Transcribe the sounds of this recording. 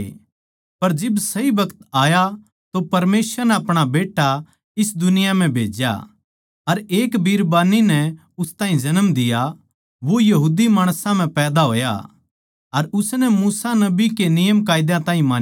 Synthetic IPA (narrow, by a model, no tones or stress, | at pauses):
pɐɾd͡ʒɪbsɐibɐkət̪aːja | t̪opɐɾmeːsəɾnɛɐpɽ̃abeːʈːa | ɪsd̪ʊnɪjam̤ɛ̃bʱḛːd͡ʒja̰ | ɐɾeːkbʱiɾbaːninɛ | ʊst̪ãːɦĩd͡ʒɐnəmd̪ɪja | ʋojɐɦuːd̪imaːɽ̃sãm̤ɛ̃pɛːd̪aɦo̰ːja̰ | ɐɾʊsnɛmuːsanɐbikenɪjəmk̬aːɪd̪jãt̪ãːĩmãːn